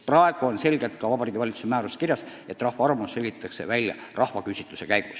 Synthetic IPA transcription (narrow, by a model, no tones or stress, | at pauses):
prɑeɡ̥uonse̞lʲɡ̥elt̪̚kɑvɑbɑɾiːɡ̥ivɑlʲit̪susemæːɾuse̥kirjɑs | e̞t̪ːˑrɑhvɑɑɾmusːelʲɡit̪ːˑɑkse̞̰vælʲjɑ̰rʔɑhvɑkysʲit̪ːˑuse̞kæjɡ̥us